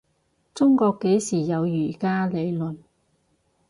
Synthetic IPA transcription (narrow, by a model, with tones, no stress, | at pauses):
t͡sʊ˥ŋkɔː˧kːe˨˥jsiː˨˩jɐ˨˧wjyː˨˩kaː˥le˨˧jlɵ˨n